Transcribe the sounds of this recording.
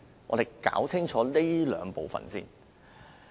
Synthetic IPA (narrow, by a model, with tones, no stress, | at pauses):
ŋʔɔ̰ː˨˧ɾe˨˩jkaː˨˥wt͡sʰɪ˥ŋt͡ʃʰɔː˨˥le˥lœ̰ː˨˧ŋpo˨wfɐ̰˨nsḭː˥n